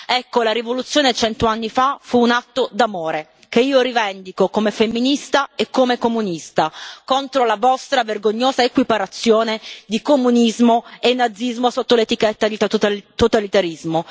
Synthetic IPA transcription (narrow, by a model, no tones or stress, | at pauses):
ɛkːolaɾivolut̪sːjoːnet͡ʃɛnt̪oanːifafuːnat̪ːod̪amoːɾe | keiːoɾivɛnd̪ikokomefemːinist̪aekːomekomunist̪akont̪ɾolavɔst̪ɾaverɡoɲːoːzaekwipaɾat̪sːjoːned̪ikomunizmoenːad̪zːizmosot̪ːolet̪ikɛt̪ːad̪it̪ot̪alit̪aɾizmo